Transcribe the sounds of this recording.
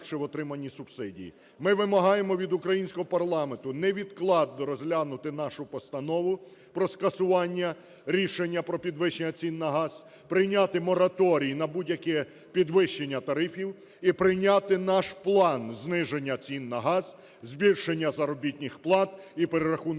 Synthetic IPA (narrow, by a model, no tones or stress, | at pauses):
ʃɛʋɔt̪ɾɪmɐnʲːisʊb̥sɪdʲḭjḭ | mɪʋɪmɐɦɑjemɔʋʲid̪ʊkɾɐjinʲsʲkɔɦɔpɐrlˠɑment̪ʊnɛʋʲid̪klˠɑd̪ːɔɾɔzɦlʲanʊt̪ɪnɑʃʊpɔst̪ɐnɔʋʊ | pɾɔskɐsʊʋɑnʲːɐ | ɾʲiʃenʲːɐpɾɔpʲid̪ʋɪʃenʲːɐt͡sʲinːɐɦɑz̥ | pɾɪjnʲat̪ɪmɔɾɐt̪ɔɾʲijinɐbudʲjɐkɛ | pʲid̪ʋɪʃt͡ʃːenʲːɐt̪ɐɾɪfʲiw | ipɾɪjnʲɑt̪ɪnɑʃplˠɑnznɪʒenʲːɐt͡sʲinːɐɦɑz | zbʲilʲʃenʲːɐzɐɾɔbʲitʲnʲɪxplˠɑt̪ipeɾeɾɐxun